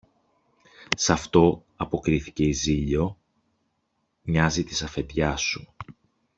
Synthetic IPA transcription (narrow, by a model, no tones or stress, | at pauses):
sɐft̪o̞ | ɐpo̞kɾiθi̥ce̞iziʎo̞ | ɲɐzit̪i̥sɐfe̞t̪ʝɐsu